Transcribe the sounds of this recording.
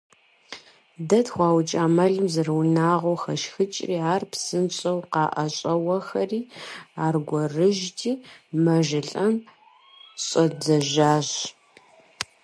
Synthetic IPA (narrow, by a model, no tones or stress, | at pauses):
dɐtχʷɑːwt͡ʃʼaːmɐɮɨmzɨrwnaːʁowxɐʃxɨt͡ʃʼriːaːrpʰsɨnɕʼɐwqɑːʔɐɕʼɐwɐxɐriːaːrɡʷɔrɨʒtʰiːmɐʒɪɬʼɐm | ɕʼɐd͡zɐʒaːɕ